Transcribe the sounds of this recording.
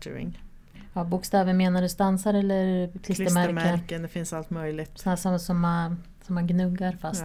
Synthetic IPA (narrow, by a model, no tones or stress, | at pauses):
ɾɪ̰ŋ | ɑːbʊkst̪ɛːvənmeːnaɖɛst̪ansaɾɛlːəɾkʰlɪsəmæɾməkəd̪ɛfɪnsalt̪mœjlɪt̪æːʂɔsɔmːan | sɔmːanɡnɵɡːaɾfast̪